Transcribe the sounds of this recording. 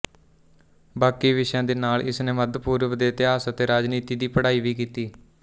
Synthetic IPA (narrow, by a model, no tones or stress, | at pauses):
baːkiːʋɪʃjãːd̪eːnaːlɪ̰sneːməd̪puːɾʋd̪eːt̪eaːsət̪eːɾaːd͡ʒniːt̪iːd̪iːpəɽaːiːʋiːkiːt̪iː